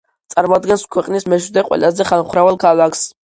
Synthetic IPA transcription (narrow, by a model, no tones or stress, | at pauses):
t̪sʼaɾmad̪ɡɛnskʰwɛqʼnismɛʃd̪ɛqʼwɛ̰lazɛχanχɾavɛlˠkʰalakʰs